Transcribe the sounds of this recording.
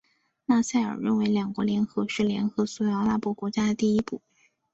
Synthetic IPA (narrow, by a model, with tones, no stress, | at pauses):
na˥˧sa˥˩ɪə̰˞˨˩ɻə˥˩nwe˧˥ɪljɑ˨˩ŋkwɔ˧˥ljɛ˧˥nxɤ˧˥ʂɻ̩˥˩ljɛ˧˥nxɤ˧˥su˧˥jɑ˧˥ʊla˥˩pwɔ˥˩kwɔ˧˥t͡ɕja˥d̪ə˨t̪i˥˩i˥pu˥˩